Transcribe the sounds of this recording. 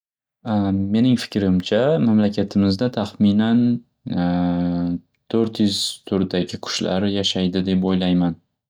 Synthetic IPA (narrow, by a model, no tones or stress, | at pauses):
me̞nɪŋfɪ̥kʲʰɾɪmt͡ʃʰamamlakʲʰat̪ʰɪmɪzd̪at̪ʰaχminan | t̪ʰɵɾt̪jʊzt̪ʰʊɾd̪aɡʲɪqʰʊ̥ʃla̰ɾjaʃajd̪ɪd̪e̞pojlajman